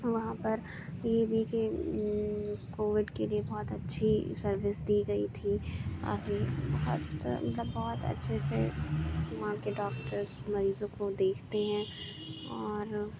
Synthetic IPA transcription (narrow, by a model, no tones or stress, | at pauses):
ʋɐɦãpɐɾ | jeːbʱike | koːʋɪɖkeliebɔːt̪ɐtːʃʰisɐɾʋɪsd̪iːɡɐit̪ʰia̰ːd͡ʒebɔɦʊt̪mɐt̪ləbːɔːt̪ɐ̰tːʃʰesḛ | mãkeɖɔːkʈəɾzmɐɾiːzõkod̪eːkʰt̪eɦɛ̃ː | ɔːɾ